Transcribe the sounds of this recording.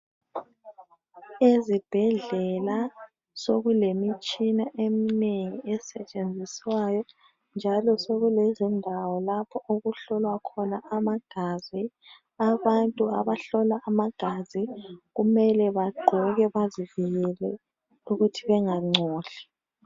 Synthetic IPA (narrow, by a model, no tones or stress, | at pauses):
ezib̥ʱɛɮɛla | soɣulemit͡ʃʼinaʔemineŋiɛsɛt͡ʃʼend͡zʱiswajɔ | nd͡ʒʱalɔsoɣulezindʱawɔlapʰɔʔoɣuɬɔlwakʰɔnaʔamaɡ̥ʱazi | aβantʼuaβaɬɔlaʔamaɡ̥ʱaziɣumɛlɛβaɡ͡ǃʱɔɣɛβaziviɣɛlɛ | uɣutʰiβɛŋaŋ͡ǀɔːɬi̥